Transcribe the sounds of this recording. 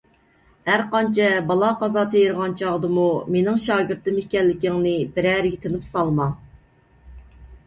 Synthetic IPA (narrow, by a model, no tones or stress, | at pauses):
hæɾqɑnt͡ʃʰɛbɑlˠɑqɑzɑt̪ʰejɾʁɑnt͡ʃʰɑʁd̪ɨmumenɪŋʃɑːɡʲɪɾt̪ɨmɪhkʲɛlːɪkʲiŋnɨbɪɾæːɾɡʲɛt̪ʰɪnɪpsɑlˠmɑ